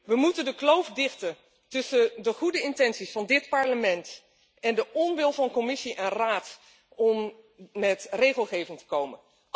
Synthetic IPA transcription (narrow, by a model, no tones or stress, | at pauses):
ʋəmutəndəklowfdɪχtə | tɵsədəχudəɪntɛnsisfɑndɪtpɑɹləmɛnt | ɛndəʔɔnʋɪlˠvɑnkɔmɪsiʔɛnraːt | ɔmː | ɛtrejχəlˠχejvɪŋtə̥kowmən